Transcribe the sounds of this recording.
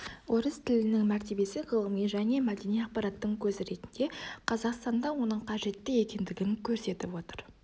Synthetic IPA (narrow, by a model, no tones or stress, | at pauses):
wʔoɾəzt̪ʰɪlɪnɪŋmæɾt̪e̞be̞sɪʁəlˠəmijʒæne̞mæd̪e̞nijɑq̚pɑɾɑt̪ːəɴkʲʰɵzɾe̞t̪ɪnd̪e̞qʰɑzɑqst̪ɑnd̪ɑwo̞nəɴqʰɑʒe̞t̪ːɪje̞kʲe̞nd̪ɪɡʲɪŋkʲʰɵɾse̞t̪ɪpwo̞t̪əɾ